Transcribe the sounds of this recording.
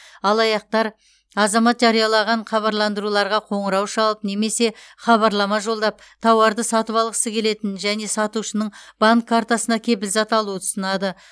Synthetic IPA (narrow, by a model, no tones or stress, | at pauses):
ɑlˠɑjɑq̚t̪ɑɾ | ɑzɑmɑt̪ʒɑɾijɑlˠɑʁɑɴχɑβɑɾlˠɑnd̪əɾulˠɑɾʁɑqʰo̞ɴəɾɑwʃɑlˠəpne̞me̞se̞χɑβɑɾlˠɑmɑʒo̞lˠd̪ɑp̚t̪ʰɑwɑɾd̪əsɑt̪əpɑlˠʁəsəkʲʰe̞le̞t̪ɪnʒæne̞sɑt̪uʃənəɴb̥aŋkʰːaɾt̪asənɑkʲʰe̞bɪlzɑt̪ɑlˠuət̪ʰʊ̥sənɑd̪ə